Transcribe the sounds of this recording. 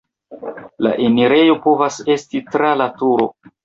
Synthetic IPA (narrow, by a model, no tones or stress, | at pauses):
la̰ʔe̞miɾe̞jo̞po̞vase̞stitɾalatuɾo̞